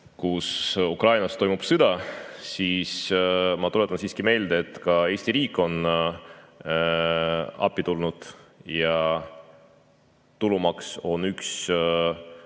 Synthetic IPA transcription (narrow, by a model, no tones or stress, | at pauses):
kusukrɑjnɑst̪o̞jmub̥sɨd̪̥ɑsiːsmɑt̪ulet̪ːˑɑnsiːskime̞ːld̪eet̪ːˑkɑe̞ːsʲt̪iɾiːkːˑo̞n | ɑ̰pːit̪ulnud̪̥jɑ | t̪ulumɑkso̞nyks